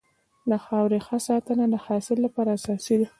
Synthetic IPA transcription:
laxawɾexəsɑt̪ənad̪əhɑsɪlːapɑɾaːsɑsid̪i

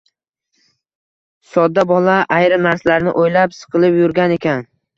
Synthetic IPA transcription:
sɒd̪ːabɒlˠaʔajɾɪmnaɾslaɾnɪ̰ʔojlapsɨ̥qʰɨlˠɪpjʊɾɡʲane̞kʲʰan

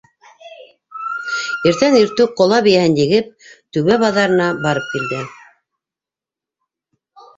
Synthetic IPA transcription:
iɾt̪æniɾt̪ʉqŏlˠɑβɘ̆jæhɘndjĭɡɘp̚t̪ʉβæβɑðɑɾɤ̆nɑbɑɾɤp̚kild̪ɘ

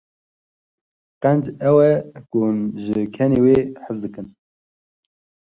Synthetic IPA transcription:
qɛnd͡ʒɛwɛkuʒɨkʰɛneːweːħəzd̪ɨkɨn

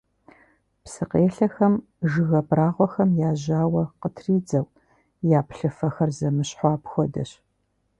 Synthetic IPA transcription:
psɨqeːɬɐxɐm | ʒɨɣɐbraːʁʷɔxɐmjaːʑaːwɐqətʰriːd͡zɐw | jaːpɬɨfɐxɐrzɐmɨɕħʷɑːpxʷɔdɐ̰ɕ

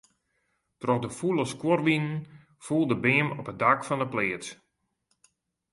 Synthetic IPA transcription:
trɔxdəfulˠəskworʋinən̩ | fulˠdəbɪəmɔpədakfɔndəplɪːət

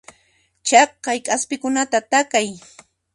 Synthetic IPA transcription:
t͡ʃɑkːajkʼaspɪkʊnat̪at̪akaj

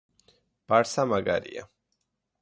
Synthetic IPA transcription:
b̥aɾsamaɡa̰ɾḭa̰

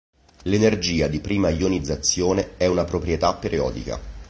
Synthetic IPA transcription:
lenerd͡ʒiːad̪ipɾiːmaionid̪zːat̪sːjoːneɛunapɾopɾjet̪apːeɾjɔ̰ːd̪ḭka̰

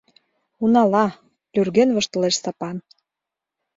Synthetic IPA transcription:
unɑlɑ | lʲyrɣenβɤ̆ʃt̪ɤ̆leʃsɑpɑn

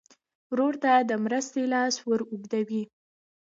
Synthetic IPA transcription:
wɾoɾt̪ad̪əmɾəst̪elɑswəɾuɡd̪awi

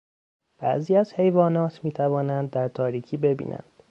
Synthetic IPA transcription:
b̥æ̰ʔziːæz̥he̞jvɒːnɒːt̪ʰmiːt̪ʰævɒːnænd̪ːæɾt̪ʰɒːɾiːcʰiːbe̞bḭːnʔæ̰nd̪̥

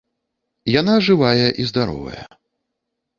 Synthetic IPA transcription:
janaʐɨvajɐʔizd̪aɾɔ̰vɐ̰jɐ̰

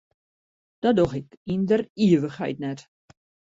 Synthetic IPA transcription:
d̥ɔdoxɪkindəriəʋəxhɛ̰jtnɛt

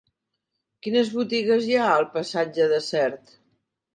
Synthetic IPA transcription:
kinəzβut̪iɣəzjaəlˠpəsad͡ʒəðəsɛɾt̪

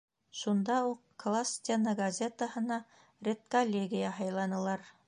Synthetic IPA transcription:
ʃund̪ɑuqklˠasʲt̪ʲenəɡɐzʲe̞t̪əhɤ̆nɑ | rʲet̪̚kolʲːeɡʲijaɦɑjlˠɑnɤ̆lˠɑɾ

